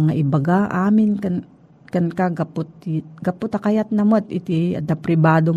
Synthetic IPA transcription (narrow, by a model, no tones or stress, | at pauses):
ŋaʔɪbaɡaʔaːmɪnkan | kankaɡapʊt̪̚ɡapʊt̪akajat̪̚nɐmot̪ɪt̪iɐ̰d̪apɾɪbaːd̪o